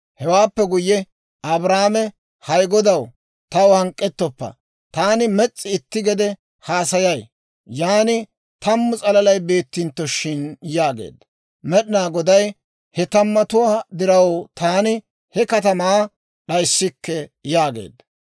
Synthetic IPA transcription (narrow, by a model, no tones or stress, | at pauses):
hɛwaːpːɛɡʊjːɛ | ɐbɾaːmɛ | hɐjɡɔd̪ɐw | t̪ɐwhɐŋkʼːɛt̪ːɔpːɐ̰ | t̪aːnɪmɛt͡sʼːɪɪt̪ːɪɡɛd̪ɛ | haːsɐjɐj | jaːnɪ | t̪ɐmːʊt͡sʼɐlɐlɐjbe̞ːt̪ːɪnt̪ːɔʃɪnjaːɡḛːd̪ | mɛɗɪnaːɡɔd̪ɐj | hɛt̪ɐmːɐt̪ʊwaːd̪ɪɾɐwt̪ʰaːnɪ | hɛkɐt̪ɐmaː | ɗɐjsːɪkːɛjaːɡḛːd̪